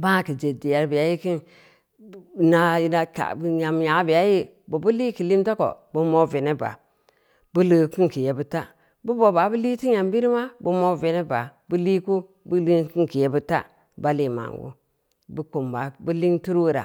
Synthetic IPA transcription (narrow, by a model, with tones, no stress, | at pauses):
ba˦˨ki˨d͡ʒe˨di˨ja˨ɾbi˨ja˦ji˦ki˦n˨ | na˦ji˦na˦ka̰˨bɲa˨m˨ja˨˦bi˨ja˦ji˦ | bu˨bu˦li˦ki˨li˦mto˦ko̰˨bu˦mo˦˨ve˨ne˦ba̰˨ | bu˦lə˨˦ki˦ŋ˨ki˨je˨bu˦ta˦ | bu˦bo˨ba˨˦bu˦li˦ti˦ɲa˨mbi˦ɾi˦ma˦bu˦mo˦ve˦ne˦ba˨bu˦li˦ku˦ | bu˦li˦ki˦ŋ˨ki˨je˦bu˦ta̰˦ | ba˦li˨ma̰˨ŋɡṵ˦ | bu˦ko˨mba˨bu˦li˦ŋtu˦ɾwɾa̰˨